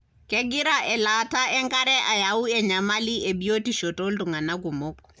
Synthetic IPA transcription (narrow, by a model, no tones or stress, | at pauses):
kɛɡɪɾaʔɛlataɛŋkaɾɛʔajauɛɲamaliʔebijotiʃotoltuŋanaɡ̬umok̚